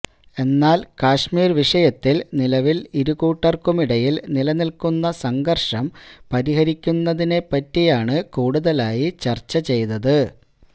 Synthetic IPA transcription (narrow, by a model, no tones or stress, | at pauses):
e̞nːaːlkaːʂmiːrʋiʂɐjɐt̪ːilnilɐʋiliɾukuːʈːɐrkumiɽɐjilnilɐnilkunːɐsɐŋɡɐrʂɐmpɐɾiɦɐɾikʲːunːɐðine̞pːɐtːijaːɳɨkuːɽuðɐlaːjit͡ɕɐrt͡ɕːɐt͡ɕe̞jnɐðɨ